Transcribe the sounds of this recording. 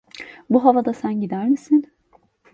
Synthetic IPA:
buɦavad̪asænɟid̪æɾmisin

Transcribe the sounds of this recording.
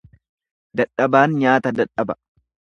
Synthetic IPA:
d̪ɐᶑɐbaːnɲaːt̪ɐd̪ɐᶑɐbɐ

